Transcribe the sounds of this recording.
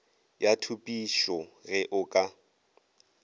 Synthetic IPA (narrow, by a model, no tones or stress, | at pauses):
jatʰupʼiʃɔɣɛʔʊkʼa